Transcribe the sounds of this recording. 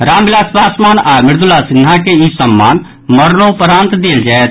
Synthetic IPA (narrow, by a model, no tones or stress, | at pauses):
ɾaːmbɪlaːspaːsmaːnaːmɪɾd̪ʊlːasɪnɦakeisəmːaːn | məɾnopəɾãːnt̪d̪eːld͡ʒaːet̪